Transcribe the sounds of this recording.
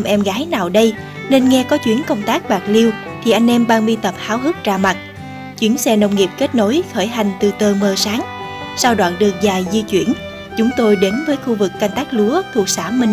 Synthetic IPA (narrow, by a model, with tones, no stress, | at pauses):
mʔɛ˧mɣaː˨˦jnaː˨˩wɗə˧j | ne˧nŋɛ˧kɔ˨˦t͡ɕwi˨˦ənkə˧wŋ͡mt̪aː˦˥k̚ɓaː˨˩k̚li˧əw | t̪ʰi˨˩ʔa˧jŋ̟ʔɛ˧mɓaː˧ŋɓi˧t̪ə˨˩p̚haː˨˦wɦɨ˦˥k̚t͡ɕaː˧ma˨˩t̚ | t͡ɕwi˨˦ənsɛ˧nə˧wŋ͡mŋi˨˩p̚ke˦˥t̚no˨˦jxəː˧˩jɦa˨˩jŋ̟t̪ɨ˨˩t̪əː˧˩məː˧˩saː˨˦ŋ | saː˧wɗwa̰ː˧˨nɗɨ˨˩ək̚zaː˨˩jzi˧t͡ɕwḭ˧˩ən | t͡ɕʊ˨˦ŋ͡mt̪o˧jɗe˨˦nvəː˨˦jxu˧vɨ˨˩kːa˧jŋ̟t̪aː˦˥k̚lu˨˦ət̪ʰu˨˩ək̚saː˧˩mï˧ŋ̟